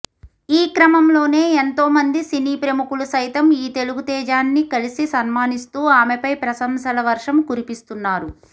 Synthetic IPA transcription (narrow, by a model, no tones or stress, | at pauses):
iːkɾɐmɐmlo̞ːne̞ːent̪o̞ːmɐnd̪isiniːpɾɐmukulusɐjt̪ɐmiːt̪e̞luɡut̪ɛːd͡ʒaːnːikɐlisisɐnmaːnist̪uːaːmepɐjpɾɐsɐmsɐlɐʋɐɾʂɐmkuɾipist̪unːaːɾu